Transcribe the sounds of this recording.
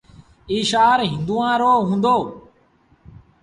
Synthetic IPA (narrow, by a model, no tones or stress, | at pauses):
iːʃaːɾɦɪ̃nd̪uːãːɾoːɦũːnd̪oː